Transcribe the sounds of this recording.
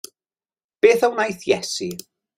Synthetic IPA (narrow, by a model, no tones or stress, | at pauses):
b̥eːθawnajθjɛsi